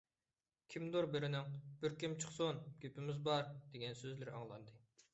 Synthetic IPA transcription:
kʲʰimd̪oɾbɪɾɪnɪŋb̥ɪɾkʲimt͡ʃʰəχsonɡʲøpɪmɪzbɑɾd̪eɡʲɛnsøzlɪɾɑ̰ŋlˠɑ̰nd̪ɨ

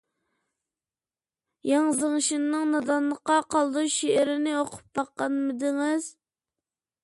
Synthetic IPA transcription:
jɑŋzɨŋʃinːɨŋnɑd̪ɑnlˠəqɑqɑlˠd̪uʃeɪɾɪnɪoqʰʊ̥p̚bɑqːɑnmɪd̪ɪŋɪz̥

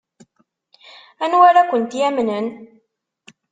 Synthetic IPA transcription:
ænwaɾakʷʊnt̪jæmnən

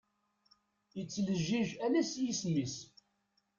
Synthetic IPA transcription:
jət͡sːləʒːiʒælæsjismis

